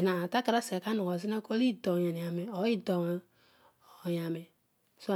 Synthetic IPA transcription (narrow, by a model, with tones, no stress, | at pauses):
na˨a˨ta˦ka˦ɾa˦sa˨ka˦nu˨wɔ˨zi˦na˦ko˦li˦˨dɔ˨ɲa˨n˨a˨mɛ˨ɔ˨˦i˦dɔ˨wa˨ | ja˨mɛ˨ | so˦˨